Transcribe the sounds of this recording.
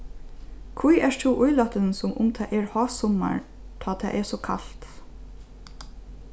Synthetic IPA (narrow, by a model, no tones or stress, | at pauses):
kʰvujɛʂt̪ʰuːʔʊjlɔt̪ənsʊmʔʊmt̪ʰɑʔɛɹhɑːsɔma̰ɹ | t̪ʰɑːt̪ʰɛ̰ːʔɛɹsɔkʰa̰lt̪